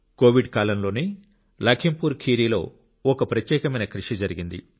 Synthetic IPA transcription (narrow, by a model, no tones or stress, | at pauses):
ko̞ːʋiɖkaːlɐmlo̞ːni | lɐkʰimpuːɾkʰiːɾiːlo̞̰ː | ɔkɐpɾɐt̪jɛːkɐmɐjnɐkɾiʂid͡ʒɐɾiɡind̪ḭ